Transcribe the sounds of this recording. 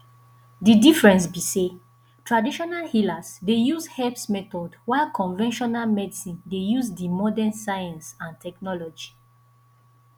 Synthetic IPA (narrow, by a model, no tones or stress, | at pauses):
didifɹɛ̃ns̬bise | tɹadiʃɔnalhilasdejuzhɛpsmɛtɔdwakɔ̃nvɛ̃nʃɔnalmɛdisĩndejuzdimɔdɛ̃nsajãnsãntʰɛknɔlɔd͡ʒi